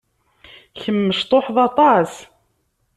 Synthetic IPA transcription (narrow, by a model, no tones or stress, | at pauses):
çəmːəʃt̪ˤoħðˤɑt̪ˤɑs